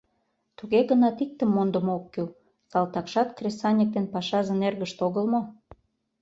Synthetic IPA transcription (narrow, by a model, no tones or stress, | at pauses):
t̪uɣeɣənɑt̪ik̚t̪ə̆mːond̪ə̆mokːø | sɑlt̪ɑkʃɑt̪kresɑnʲek̚t̪enpɑʃɑʒɤ̆nerɣəʃt̪oɣəlmo